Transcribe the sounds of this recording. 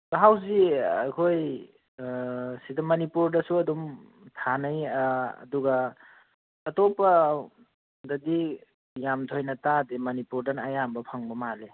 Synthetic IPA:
taɦaws̬iakʰoj | sidɔmːɐnipuɾdɐsuɐdum | tʰanajɐ̰duɡaː | topɐ | dɐdi | jamt̪ʰojnɐtademɐnipuɾdanɐjambɐpʰaŋbɐmale

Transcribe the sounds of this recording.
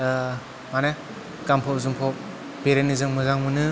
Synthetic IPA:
mane | kampʰɔpzumpʰɔp̚ | beɾenizɯŋmɯzaŋmɯnɯ

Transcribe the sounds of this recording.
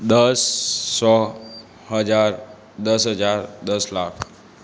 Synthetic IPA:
d̪əsːɔ | ɦəd͡ʒaɾ | d̪əsɦəd͡ʒaɾd̪əslakʰ

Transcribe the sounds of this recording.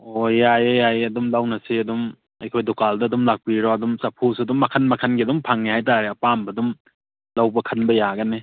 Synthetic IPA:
ojajejajɐdumlawnɐsiɐdum | ɐ̰jkʰojdokaldɐːdumlak̚piɾɔɐdumsɐpʰosɐdumːɐkʰɐnmɐkʰɐnɡidumpʰaŋnihajtaɾeɐpambɐdum | lawbɐkʰɐnbɐjaɡɐni

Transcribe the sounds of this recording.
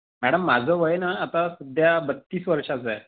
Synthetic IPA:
mæɽəmːad͡zʱəʋəjnaːt̪asud̪ʱjabət̪ːiːsʋəɾʂat͡saj

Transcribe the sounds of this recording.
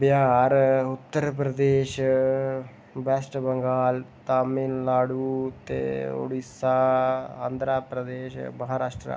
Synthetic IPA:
bjaːɾʊt̪ːəɾpɾəd̪eːʃ | bɛːsʈbəŋɡaːlt̪aːminlaːɽuːt̪ḛːo̰ɽisaːa̰ːnd̪ɾaːpɾəd̪eːʃməɦaːɾaːʃʈɾa̰ː

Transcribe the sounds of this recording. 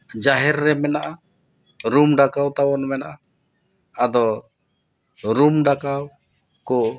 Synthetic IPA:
d͡ʒaɦɛrːɛmɛnaʔa | ɾumdakaut̪awɔnmɛnaʔa | ad̪ɔ | ɾumdakau | kɔ

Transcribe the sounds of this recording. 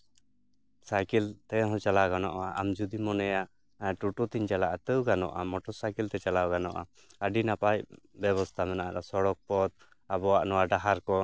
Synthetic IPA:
sajkilt̪ɛɦɔ̃t͡ʃalaɡanɔʔaʔamd͡ʒud̪imɔnɛjaʔ | ʈuʈut̪iɲd͡ʒalaʔat̪əwɡanɔ̰ʔamɔʈɔsajkilt̪ɛt͡ʃalawɡanɔʔa | əɖinapaj | bɛβɔst̪ʰamɛnaʔa̰ɾasɔɽɔk̚pɔd̪̚ | abɔaʔnɔwaɖaɦaɾkɔ

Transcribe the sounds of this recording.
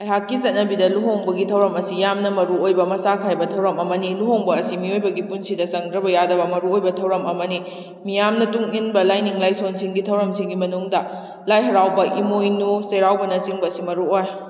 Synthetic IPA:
ɐjɦakːizɐt̚nɐbidɐluɦoŋbɐɡitʰɐwɾɐmɐsijamnɐmɐɾuojbɐmɐsakʰajbɐtʰɐwɾɐmɐmɐniluɦoŋbɐːsimiojbɐɡipunsidɐsɐŋdɾɐbɐjadɐbɐmɐɾuojbɐtʰɐwɾɐmɐmɐni | mijamnɐtuŋinbɐlajniŋlajsonsiŋɡitʰɐwɾɐmsiŋɡimɐnuŋdɐ | lajɦɐɾawbɐʔimojnuseɾawbɐnɐsiŋbɐsimɐɾuoj

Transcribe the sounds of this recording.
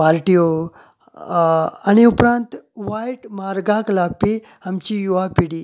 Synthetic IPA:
aɾʈijo | añiupɾãnt̪ʋajʈmaɾɡaklapi | amt͡ɕijuʋapiɽiː

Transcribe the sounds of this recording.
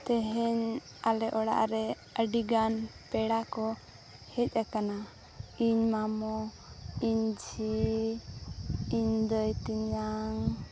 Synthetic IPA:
t̪ɛɦɛɲ | alɛʔɔɽa̰ʔɾɛ | əɖiɡanpɛɽakɔ | hɛc̚ˀakana | iɲmamɔ | iɲd͡ʒi | ɲd̪ɔjt̪iɲaŋ

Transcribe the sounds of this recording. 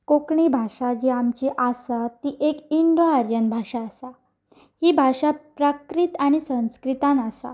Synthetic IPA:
kokɳibʱaʂad͡ʑiamt͡ɕiʔasat̪iʔekiɳɖoaɾjənbʱaʂaːsa | hiːbʱaʂapɾakɾit̪aɽ̃isə̃w̃skɾit̪ãnasa̰

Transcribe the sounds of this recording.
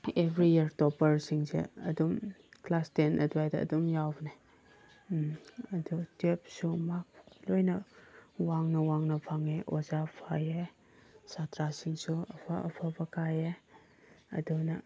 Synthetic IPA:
ebʱɾijiɾtɔpɐɾsiŋsḛɐdumklastenʔɐ̰duajdɐɐ̰dumjawbne | ɐdutep̚sumak̚lojnɐwaŋnɐwaŋnɐpʰaŋeʔozapʰaje | satɾasiŋsuɐpʰa̰ʔɐpʰabɐkaje | ɐ̰dunɐ

